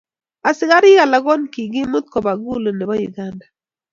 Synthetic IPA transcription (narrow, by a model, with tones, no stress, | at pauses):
a˨sɪ˨˦ɣa˦ɾɪ˦ɣa˨la˨ɡɔ˦nki˨ɡɪ˦mʊ˦t̪̚kɔ˨ba˨ɡu˦lo˨nɪ˨bɔ˦ju˨ɡa˦nda˨